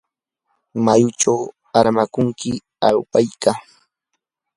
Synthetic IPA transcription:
majʊt͡ʃaw | aɾmakʊŋkɪ | a̰lpajka

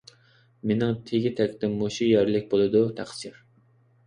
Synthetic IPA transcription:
menɪŋt̪ʰeɡʲit̪ʰɛkʲt̪ɪmːoʃujɛɾlɪkʲbolˠɨd̪ut̪ʰæχsiɾ

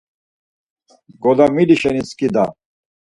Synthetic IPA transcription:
ɡɔd̪amiliʃɛniskid̪a

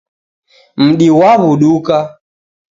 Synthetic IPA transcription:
m̩ɗiwaβuɗuka

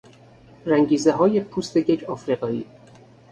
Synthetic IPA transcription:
ræŋɟiːzeɦɒːjepʰuːst̪ejecʰɒːfɾiɣɒːḭː

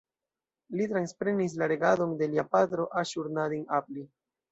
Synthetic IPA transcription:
litɾanspɾe̞nis̬laɾe̞ɡado̞nde̞liapatɾo̞ʔaʃuɾnadinapli

